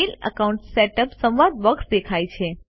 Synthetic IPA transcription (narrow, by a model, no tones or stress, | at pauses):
ilə̰kauɳʈseʈəpsə̃mʋad̪̚ʋəksd̪ekʰajt͡ʃʰe